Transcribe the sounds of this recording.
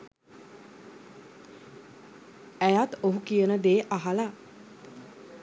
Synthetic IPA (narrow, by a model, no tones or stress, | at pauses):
æjat̪oɦukijənəd̪eːʔaɦala